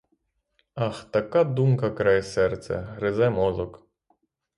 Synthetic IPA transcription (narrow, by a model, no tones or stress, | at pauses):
ɑxt̪ɐkad̪umkɐkɾajsɛrt̪sɛ̰ɦɾɪzɛmɔzˠɔk